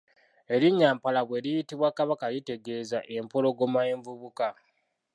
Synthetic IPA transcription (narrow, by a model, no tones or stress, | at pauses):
e̞ɾiɲːaːmpalaβwe̞ɾijitiβwakaβakalite̞ɡe̞ːzaʔe̞mpolo̞ɡomajeːɱvuβuka